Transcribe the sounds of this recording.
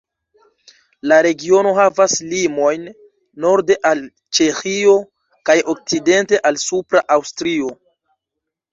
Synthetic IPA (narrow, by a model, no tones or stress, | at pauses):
laɾe̞ɡio̞no̞ɦavaslimo̞jnː | o̞ɾde̞ʔal | t͡ʃe̞xio̞ | kajo̞k̚t͡side̞nte̞ʔalsupɾaʔawstɾio̞